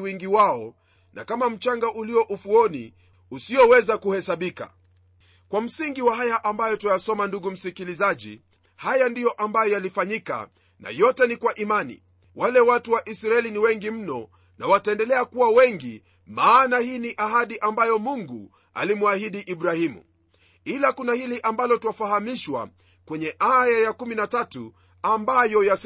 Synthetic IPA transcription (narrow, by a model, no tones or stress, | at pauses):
wiŋɡiwaɔ | nʔa̰kamam̩t͡ʃaŋɡaʔuliɔʔufuɔnḭ | usiɔwɛzakuhɛsaɓika̰ | kwam̩siŋɡiwaɦajaʔambajɔtajasɔmanduɡum̩sikilizaʄḭ | hajandijɔʔambajɔjalifaɲika̰ | na̰jɔtɛnikwaʔimanḭ | walɛwatuwaʔisɾaɛliniwɛŋɡim̩nɔ | nawataɛndɛlɛakuwawɛŋɡi | maːnahiːniʔaɦaɗiʔambajɔmuŋɡṵ | a̰limuahiɗiʔiɓɾahimṵ | ilakunahiliʔambalɔtuwafaɦamiʃwa̰ | kwɛɲɛʔajajakuminatatṵ | ambajɔjas